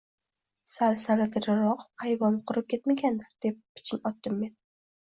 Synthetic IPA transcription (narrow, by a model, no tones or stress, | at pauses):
salsalat̪ʰɪɾaɾɒqajvɒnqʰʊɾɨp̚kʲʰe̞t̪maɡʲand̪aɾd̪̥e̞p̚ːɪ̥t͡ʃʰɪnɒt̪ːɪmːe̞n